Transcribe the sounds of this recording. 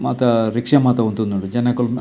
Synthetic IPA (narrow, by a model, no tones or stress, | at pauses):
ma̰ːt̪ɐɾikʂɐmaːt̪ɐunt̪und̪uɳud͡ʒɐnɐkul